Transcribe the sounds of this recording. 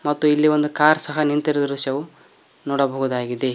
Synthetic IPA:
mɐt̪ːuilːiʋond̪ukaːɾsɐɦɐnint̪iɾɐd̪ɐɾuʃɐʋu | nɔːɽɐbɐɦud̪aːɡid̪e

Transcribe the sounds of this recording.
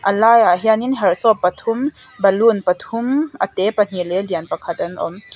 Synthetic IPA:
ʔɐlaːjaɦianinɦɛrsɔpːɐt̪ʰum | bɐlunpɐt̪ʰumʔɐt̪epɐn̥ilɛliənpɐkʰat̪̚ʔɐnʔɔ̰m

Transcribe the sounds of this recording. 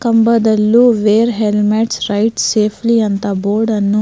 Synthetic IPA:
kɐmbɐd̪ɐlːuʋeːɾɦelmeʈsɾɐjʈseːpʰliɐnt̪ɐboːɾɖɐnːu

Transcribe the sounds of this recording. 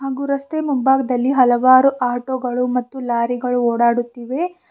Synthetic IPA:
ɦaːɡuːɾɐst̪emumbaːɡɐd̪ɐlːiɦɐlɐʋaːɾuʔaːʈoːɡɐɭumɐt̪ːulaːɾiɡɐɭuoːɽaːɽut̪ːiʋe̞

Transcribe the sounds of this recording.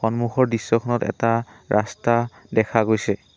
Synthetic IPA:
xɔnmuxɔɹdisːɔkʰɔnɔtɛ̰ta | ɹʔasta | dɛkʰaɡojsɛ

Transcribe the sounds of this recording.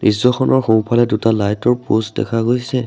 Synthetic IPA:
nizɔxʰɔnɔɹxowpʰalɛdutalajtɔɹposdɛ̰kʰaɡojsɛ

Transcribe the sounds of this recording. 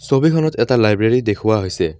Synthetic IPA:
sobikʰɔnɔtɛtalajbɹeɹidekʰʊwaɦojsɛ

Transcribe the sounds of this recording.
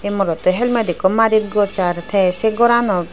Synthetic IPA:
emɔɾɔt̪ɔɦɛlmad̪ikɔmaɾit̪̚ɡɔɾt͡ʃaɾt̪ʰɛseɡɔɾanɔ

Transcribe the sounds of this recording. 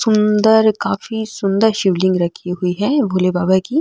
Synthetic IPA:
sʊ̃nd̪əɾkaːfisʊ̃nd̪əɾʃɪʋlɪ̃ŋɡɾɐkʰːiɦʊiɦɛbʱoːlebaːbaki

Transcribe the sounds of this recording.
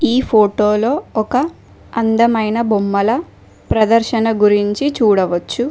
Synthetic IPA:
iːpʰoːʈoːlo̞ːɔkɐ | ɐnd̪ɐmɐjnɐbomːɐlɐ | pɾɐd̪ɐɾʃɐnɐɡuɾiɲt͡ʃit͡ʃuːɽɐʋɐt͡ʃːu

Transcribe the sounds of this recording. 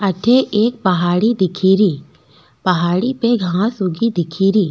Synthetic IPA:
ɐʈʰeʔeːk̚pɐɦaːɽid̪ɪkʰiːɾiː | pɐɦaːɽipeɡʱãsʊɡid̪ɪkʰiːɾiː

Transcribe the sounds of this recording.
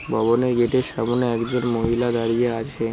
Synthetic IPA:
bɔbɔneɡeʈeʃamuneekd͡ʒəɾmoɦilad̪aɾijeat͡ʃʰe

